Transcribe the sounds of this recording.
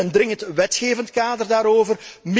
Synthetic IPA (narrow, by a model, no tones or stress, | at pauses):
əndrɪŋəntʋɛtxeːvəntkaːdərdaːɾoːvərm